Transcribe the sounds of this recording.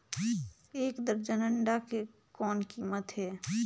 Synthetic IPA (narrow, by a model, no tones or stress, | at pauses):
eːkd̪əɾd͡ʒənəɳɖake | kɔːnkiːmət̪ɦɛː